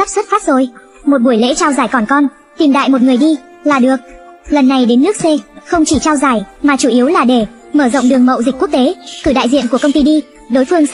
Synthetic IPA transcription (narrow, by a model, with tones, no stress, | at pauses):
a˦˥p̚swt̚faː˦˥t̚zo˨˩j | mo˨˩t̚ɓu˧˩əjlḛ˧˥t͡ɕaː˧wzaː˧˩jkɔ˨˩nkɔ˧n | t̪i˨˩mɗa̰ː˧˨jmo˨˩t̚ŋɨ˨˩əjɗi˧ | laː˨˩ɗɨ˨˩ək̚lə˨˩nːa˨˩jɗe˨˦nːɨ˦˥ək̚se˧xə˧wŋ͡mt͡ɕi˧˩t͡ɕaː˧wzaː˧˩jmaː˨˩t͡ɕu˧˩ʔi˨˦wlaː˨˩ɗe˧˩ | məː˧˩zə̰˧˨ŋ͡mɗɨ˨˩əŋmə̰˧˨wzi˨˩k̟̚ku˦˥ək̚t̪e˨˦kɨ˧˩ɗa̰ː˧˨jzḭ˧˨ənku˧˩əkə˧ŋ͡mt̪i˧ɗi˧ | ɗo˨˦jfɨ˧əŋ